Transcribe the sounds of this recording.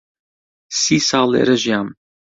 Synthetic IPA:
siːsɑːlḛɾɛʒijaːm

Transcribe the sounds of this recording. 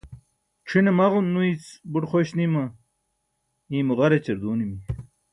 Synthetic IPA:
ʈ͡ʂʰinemɐʁunːuit͡sbuʈχoɕnimɐ | ĩːmuʁɐɾet͡ɕeɾd̪uːnimi

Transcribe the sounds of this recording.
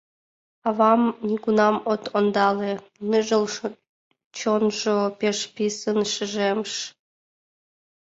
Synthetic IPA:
ɑvɑmnʲiɡunɑmot̪ond̪ɑle | nɨʒəl | t͡ɕonʒopeʃpʲisənʃɨʒemʃ

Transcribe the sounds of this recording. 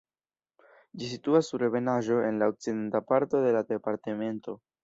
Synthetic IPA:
d͡ʒis̬ituasːuɾe̞ve̞naʒo̞e̞nlaok̚t͡sid̪e̞ntapaɾto̞de̞lad̪e̞paɾteme̞nto̞

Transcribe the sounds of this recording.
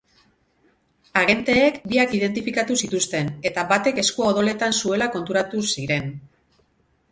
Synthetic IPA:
aɣe̞nt̪e̞ːkbiakið̞e̞nt̪ifikat̪usit̪ust̪e̞ne̞t̪aβat̪e̞ke̞skuaoðo̞le̞t̪ansue̞lako̞nt̪uɾat̪usiɾe̞n

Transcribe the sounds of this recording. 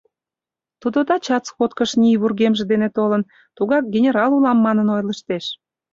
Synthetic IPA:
t̪ud̪od̪ɑt͡ɕɑt͡sxot̪kəʃnʲijβurɣemʒĕd̪enet̪olən | t̪uɣɑk̚ɡʲenʲeɾɑlulɑmːɑnənojləʃt̪eʃ

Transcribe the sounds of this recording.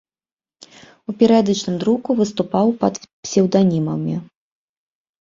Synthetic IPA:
upʲɛɾɛd̪ɐt͡ʂnɨmd̪ɾukuvɨst̪upawpɐt̪pʲsʲɛwd̪anʲimɐmʲi

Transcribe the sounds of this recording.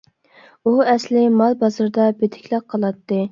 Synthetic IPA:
uɛslɪmɑlˠbɑzɨɾd̪ɑbet̪ʰɪ̥kʲlˠæq̚qʰɑlˠɑt̪ːɨ

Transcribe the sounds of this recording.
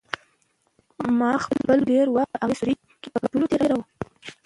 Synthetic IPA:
mɑxəlbəlɖeɾwaəʔaɣesuɾi | kepəkaʈulot̪eɾeɾaw

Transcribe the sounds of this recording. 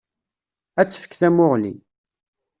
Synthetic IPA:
æt͡sːə̥fə̥kːθæmʊʁlḭ

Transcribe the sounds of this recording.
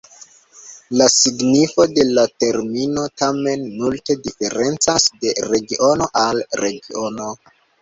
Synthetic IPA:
lasiɡnifo̞de̞late̞ɾmino̞tame̞nmulte̞dife̞ɾe̞nt͡sasde̞ɾe̞ɡiʔo̞no̞ʔalɾe̞ɡio̞no̞

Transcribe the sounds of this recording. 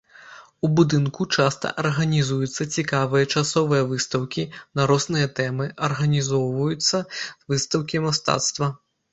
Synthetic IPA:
ubud̪ɨnkut͡ʂast̪ɐ̰ʔɐrɣɐnʲizujut̪sːɐt͡sʲikavɨjɐt͡ʂasɔvɨjɐvɨst̪ɐwkʲinɐɾɔsnɨjɐt̪ɛmɨʔɐrɣɐnʲizɔwvɐjut̪sːɐvɨst̪ɐwkʲimast̪a̰t̪st̪vɐ

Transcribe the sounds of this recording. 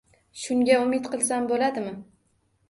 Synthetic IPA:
ʃʊŋɡʲaʊmɪt̪qʰɨlˠsambolad̪ɪmɪ

